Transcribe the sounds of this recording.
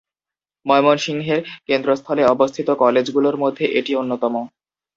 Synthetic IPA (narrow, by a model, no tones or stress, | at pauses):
mɔemonʃiŋɦeɾkend̪ɾost̪ʰɔleɔbost̪ʰit̪okɔled͡ʑɡuloɾmod̪ʱːeʔeʈionːot̪ɔmo